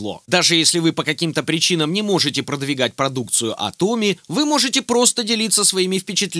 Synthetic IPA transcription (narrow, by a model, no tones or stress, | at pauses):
lˠo̞̰d̪aʐɨjesʲlʲɪvɨpəkɐkʲimt̪əpɾʲɪt͡ɕinəmnʲɪmo̞ʐɨtʲɪpɾəd̪vʲɪɡat̚ʲpɾɐd̪uk̚t̪sɨjʊʔɐ̰t̪o̞mʲɪvɨmo̞ʐɨtʲɪpɾo̞st̪ədʲɪlʲit̪sːəsvɐimʲɪfpʲɪt͡ɕɪt̪lʲ